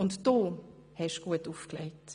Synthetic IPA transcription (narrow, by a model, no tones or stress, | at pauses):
ʊntd̥oː | hɛʃɡ̥uətuːfklɛɪt